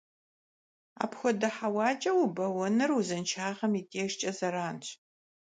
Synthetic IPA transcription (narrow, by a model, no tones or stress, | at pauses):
a̰ːpxʷɔdɐħawɑːt͡ʃʼɐwʊbɐwɔnɨruzɨnt͡ʃʰaːʁɐmitʼeːʃt͡ʃʼɐzɐɾaːnɕ